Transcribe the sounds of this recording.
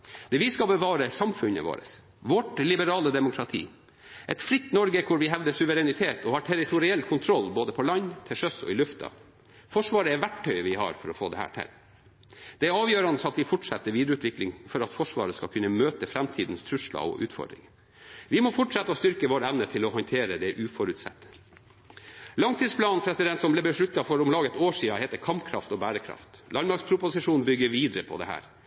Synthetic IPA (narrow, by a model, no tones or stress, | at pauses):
d̪̥ɛʋɪskɑbəʋɑːɾəsɑmfʉnə̰ʋo̰ːɾə̰s | ʋɔʈlɪbəɾɑːləd̪ɛmʊkʰɾɑt̪ʰḭː | ʔɛt̪fɾɪt̪ːnɔɾɡəkʰʊɾʋɪɦɛʋd̪əsʉʋəɾɛnɪt̪ʰeːt̪ɔhɑʈʰɛɾɪt̪ʰʊɾɪɛlːkʰʊnt̪ʰɾɔlːboːd̪əpʰɔlɑnːt̪ʰɪlʂœsɔ̰ɪlʉft̪ʰɑ̰ | fɔʂʋɑːɾəɛʋæʈːœʏʋɪhɑ̰ɾfɔɾɔfo̰ːd̪ɛ̰hæ̰ːʈʰɪ̰l | d̪̥ɛæɾɑːʋjøːɾɑnəsɑt̪ʋɪfɔʈʂɛ̰t̪ːəɾʋiːd̪əɾəʉːt̪ʋɪklɪŋfɔɾɑt̪fɔʂʋɑ̰ːɾəskɑkʰʉnːəmøːt̪əfɾæmt̪ʰiːd̪n̩st̪ʰɾʉʂlɑ̰ɔ̰ʔʉ̰ːt̪fɔ̰ɖɾɪ̰ŋ | ʋɪmɔfʊʈʂɛt̪ːəɔst̪ʏɾkəʋoːɾəæʋnət̪ʰɪlɔɦɔnt̪ʰeːɾəd̪ɛʔʉːfɔɾʉt̪sɛ̰t̪ːə̥ | lɑŋt̪ʰiːspʰlɑːnpʰɾɛsɪd̪ɛnt̪sɔnblɛbəʂɭʉt̪ːɑfɔɾʊmlɑːɡəɛt̪oːʂiːɑhɛːt̪əɾkʰɑmpkʰɾɑft̪ɔbæːɾəkʰɾɑ̰ft̪lʔɑnmɑɾkspʰɾʊpʊsɪʂuːnbʏɡːəɾʋiːd̪ɾəpʰɔ̰d̪ɛ̰hæ̰ːɾ